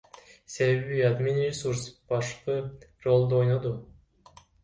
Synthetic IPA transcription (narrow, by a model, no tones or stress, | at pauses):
se̞βe̞βiad̪minɾʲesuɾsb̥ɑʃqɯro̞lˠd̪uo̞jnod̪u